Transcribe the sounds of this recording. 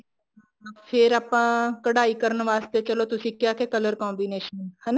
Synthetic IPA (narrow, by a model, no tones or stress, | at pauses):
pʰɪɾaːpãːkəɽaːiːkəɾənʋaːst̪eːt͡ʃəloːt̪ʊsĩːkjaːkeːkələɾkɔ̃ːmbiːneːʃənhɛ̃ːnː